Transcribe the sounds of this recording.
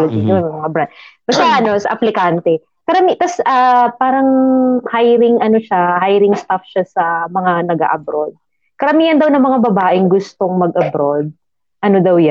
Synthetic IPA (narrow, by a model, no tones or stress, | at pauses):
lɐɡɪɲomɐŋabɾad̪̚bɐst̪aʔɐno̞sɐ̰ʔɐplɪkant̪ɛ | kɐɾɐmit̪ɐsʔɐpaːɾɐŋhajɾɪŋɐnoʃahajɾɪŋst̪afʃasɐmɐŋanɐɡa̰ːʔɐbɾod̪̚ | kɐɾɐmiːjɐnd̪ɐwnɐŋmɐŋabɐbaːʔɪŋɡʊst̪o̞ŋmɐɡ̚ʔɐbɾod̪̚ | ʔɐno̞d̪ɐwja